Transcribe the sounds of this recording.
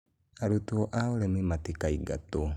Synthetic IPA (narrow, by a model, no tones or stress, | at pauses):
aɾutuoʔaolemimatikaiɡa̰to